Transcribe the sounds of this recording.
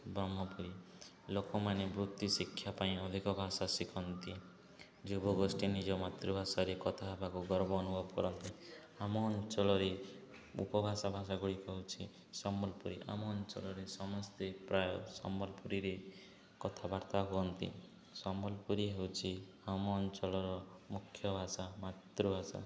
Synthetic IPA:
bɾɔmɔpuɾi | lokɔmanebɾut̪jusikʰːjapaĩɔd̪ʱikɔbʱasasikʰɔnt̪i | d͡ʒubʱɔɡosʈinid͡ʒɔmat̪ɾɔbʱasaɾekɔt̪ʰaɦebakuɡɔɾbɔːnubɔpɔɾɔnt̪i | amɔːnt͡ʃɔlɔɾe | ṵpɔbʱasabʱasaɡuɽikɔɦut͡ʃʰi | sɔmbɔlpuɾiʔa̰mɔnt͡ʃɔ̰lɔɾesɔmɔst̪epɾajɔsɔ̰mbɔlpuɾiɾe | kɔt̪ʰabaɾt̪aɦuɔnt̪ḭ | sɔmbɔlpuɾiɦewt͡ʃʰi | amɔːnt͡ʃɔlɔɾɔmukʰjɔbʱasamat̪ɾubʱasa̰

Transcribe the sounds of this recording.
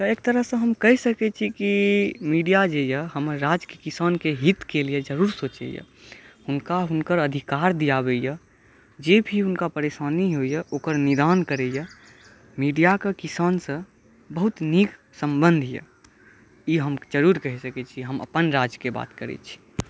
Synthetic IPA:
t̪ɔeːk̚t̪əɾəɦsə̃ɦəmkəɦɛsəkɛt͡ʃʰikimiɖijad͡ʒejəɦəməɾːad͡ʒkekisaːnkeɦit̪kelijed͡ʒəɾuːɾsot͡ʃɛ̰jə̰ | ʊnkaɦʊnkəɾəd̪ʱikaɾd̪ijabejə | d͡ʒebʱiʊnkapəɾesaːniɦojəʔokəɾnid̪ankəɾɛjə | miɖijakekisaːnsə̃ | bəɦut̪nik | səmbə̃nd̪ʱijə̰ | iɦəmd͡ʒəɾuɾkəɦisəkɛt͡ʃʰiɦəmə̰pənɾad͡ʒkeba̰ːt̪kəɾɛ̰t͡ʃʰi̥

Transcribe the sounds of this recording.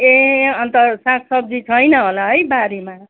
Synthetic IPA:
eʌnt̪ʌsãkʰsʌb̚d͡zit͡sʰʌjnʌɦolaɦʌjbaɾema

